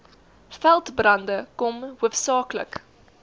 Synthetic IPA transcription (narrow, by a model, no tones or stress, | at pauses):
fælˠtbrɐndəkɔmuəfsɑːklə̰k